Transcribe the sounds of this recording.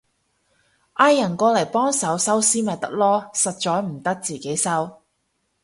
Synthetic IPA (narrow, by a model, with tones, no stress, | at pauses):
ʔaː˥jːɐ˨˩nkɔː˧lɐ˨˩jpɔː˥ŋsɐ˨˥wsɐ˥wsiː˥mɐ˨˩jt̪ɐ˥k̚lɔː˥sɐ˨t̚t͡ʃɔː˨˥jm̩˨˩t̪ɐ˥k̚t͡siː˨˩ke˨˥jsɐ˥w